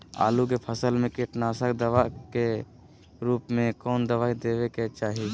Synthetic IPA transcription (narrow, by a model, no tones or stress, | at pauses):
a̰ːlukepʰəsəlmẽkɪʈnaːsəkd̪əʋake | ɾuːpmẽkɔːnd̪əʋaːid̪ebeket͡ʃaːɦi